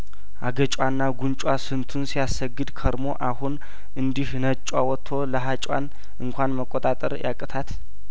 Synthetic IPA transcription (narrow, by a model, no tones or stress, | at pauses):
ʔaɡət͡ʃʼwanːaɡunt͡ʃʼwasɨnt̪ʰunsijasəɡːɨd̪kʰəɾmo̞ʔahun | ʔɨnd̪ihnət͡ʃʼwawɔt̪ʰːo̞ləɦat͡ʃʼwa̰n | ʔɨŋkʷanməkʼːot̪ʼat̪ʼəɾja̰kʼət̪ʰat̪